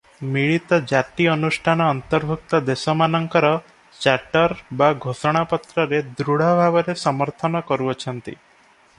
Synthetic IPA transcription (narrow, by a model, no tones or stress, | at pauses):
miɭit̪ɔd͡ʒaʈiɔnusʈʰanɔːnt̪ɔɾbʱuk̚t̪ɔd̪esɔmanɔŋkɔɾɔ | t͡ʃaʈɔɾbaɡʱosɔɽ̃apɔt̪ɾɔɾed̪ɾuɽ̤ɔbʱabɔɾesɔmɔɾt̪ʰɔnɔkɔɾuɔt͡ʃʰɔnt̪ḭ